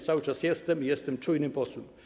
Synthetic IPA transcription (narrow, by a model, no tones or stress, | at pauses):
t̪sawɘt͡ʂasjɛst̪ɛmijɛst̪ɛmt͡ʂujnɘpɔswɛm